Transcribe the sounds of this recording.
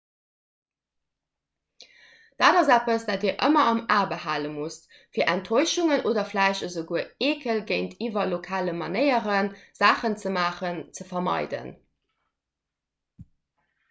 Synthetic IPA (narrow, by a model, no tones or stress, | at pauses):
d̥aːdɑzæpəsd̥aːtiːɐʔəmɐɑmaːbəhaːləmust | fiːɐʔæntʰoɪʃuŋənoːdɐflæɪʃəzəɡuəeːkʰəlɡəɪntʰiːvɐlokʰaːləmɑnəɪəʁənz̥aːχənt͡səmaːχənt͡səfɐmɑ̰ɪdə̰n